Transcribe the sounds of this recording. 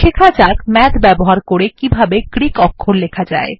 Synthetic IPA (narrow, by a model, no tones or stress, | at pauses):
ʃekʰad͡ʑakmɛd̪bɛboɦaɾkoɾekibʱabekɾikɔkʰːoɾlekʰad͡ʑa̰e